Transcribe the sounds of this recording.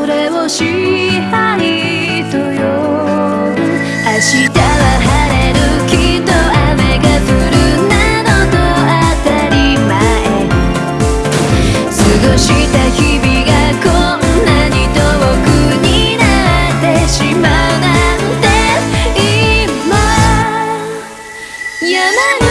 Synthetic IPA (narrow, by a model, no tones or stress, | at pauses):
oɾeoɕi | ha | i | t̪ojo | haɕit̪aβahaɾeɾɯkʲit̪oameɡafɯɾɯnanot̪oat̪aɾʲimaen | sɨɡoɕit̪açibiɡakonːaɲit̪obokɯɲinaɾat̪eɕimaɯnant̪eima | jama